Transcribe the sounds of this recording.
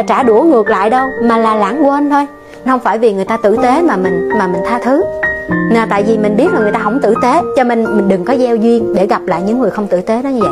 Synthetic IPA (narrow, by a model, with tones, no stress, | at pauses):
t͡ɕaː˧˩ɗu˧˩əŋɨ˨˩ək̚la̰ː˧˨jɗə˧wmaː˨˩laː˨˩laː˧˩ŋkwə˧nt̪ʰo˧j | hə˧wŋ͡mfaː˧˩jvi˨˩ŋɨ˨˩əjt̪aː˧t̪ɨ̰˧˨t̪e˨˦maː˨˩mï˨˩ŋ̟maː˨˩mï˨˩ŋ̟t̪ʰaː˧t̪ʰɨ˨˦naː˨˩t̪a̰ː˧˨jvi˨˩mï˨˩ŋ̟ɓi˦˥ət̚laː˨˩ŋ˨˩jt̪aː˧ɦə˧˩wŋ͡mt̪ɨ̰˧˨t̪e˨˦t͡ɕɔ˧me˨˩nmï̟˨˩ɗɨ˨˩ŋkɔ˨˦zɛ˧wzwi˧ənɗe˧˩ɣa˨˩p̚la̰ː˧˨jɲɨ̰˧˥ŋːɨ˨˩əjxə˧wŋ͡mt̪ɨ̰˧˨t̪e˨˦ɗɔ˨˦ɲɨ˧və̰˧˨j